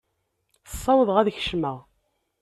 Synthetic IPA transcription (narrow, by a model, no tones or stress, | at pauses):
θə̥sˤːɑwəðˤʁæðçʃməʁ